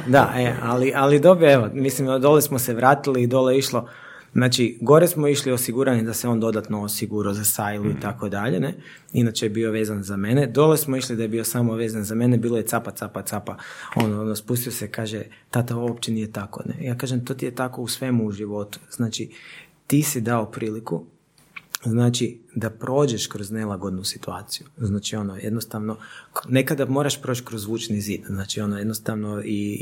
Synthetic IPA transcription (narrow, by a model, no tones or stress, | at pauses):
d̪aʔealiʔalid̪o̞bɾoeʋomislimd̪o̞lesmoseʋɾaːt̪iliːd̪o̞leiʃlo | znaːt͡ʃiɡo̞ɾesmoiʃliosiɡuɾanid̪asɛo̞nd̪o̞d̪at̪noosiɡuɾazasajlˠuit̪akod̪aʎḛne | inat͡ʃejebiːo̞ʋe̞ːzanzame̞ned̪o̞lesmoiʃlid̪ajebiosaːmoʋe̞zanzame̞nebiːlo̞jesapat̪sapat̪apaonoonospust̪iosekaːʒe | t̪at̪aoopt͡ʃeniːjet̪ako̰nḛjaːkaːʒemt̪o̞t̪ijet̪ako̞usʋe̞muːʒiʋo̞t̪u̥z̥naːt͡ʃit̪isid̪aopɾʔiːliku | znaːt͡ʃid̪apɾo̞ːd͡ʒeʃkɾoznelˠaɡod̪nusi̥t̪uaːt̪sijuznaːt͡ʃio̞nojed̪nost̪aʋnonekad̪amo̞ɾaʃpɾot͡ʃkɾozʋuːt͡ʃniziːd̪znaːt͡ʃio̞nojed̪nost̪aʋnoi